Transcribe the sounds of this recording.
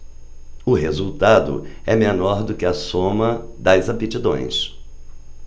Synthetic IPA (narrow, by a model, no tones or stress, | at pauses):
ʊɦezuwt̪ad̪ʊ̰ɛmenɔɾd̪ʊkɪɐsõmɐd̪ɐzapit͡ʃid̪õ̰j̃s